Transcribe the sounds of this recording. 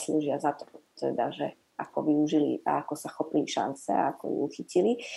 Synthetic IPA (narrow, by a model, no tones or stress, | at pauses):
sluːʒɪazat̪ɔ̥t̪ɛ̰d̪aʒɛ | akɔʋiuʒilḭʔa̰akɔsaxɔpiliʃa̰nt͡sɛa̰akɔ̰jṵuxicili